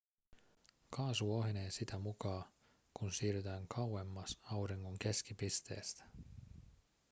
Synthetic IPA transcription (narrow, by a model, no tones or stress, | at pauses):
kɑːsuoɦne̞ːnsit̪æmukɑː | kunsiːryt̪æːŋkʰɑwwe̞mːɑsɑwɾiŋːoŋk̟e̞sk̟ipist̪e̞̰ːst̪æ̥